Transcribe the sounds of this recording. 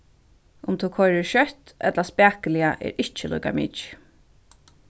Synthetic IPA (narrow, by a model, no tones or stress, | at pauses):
ʊmt̪ʰukʰɔjɾɛɹʃœht̪ʔɛ̰t̪laspæːkɪlɪaʔɛ̰ːɾɪt͡ʃəlṵːkamḭːt͡ʃ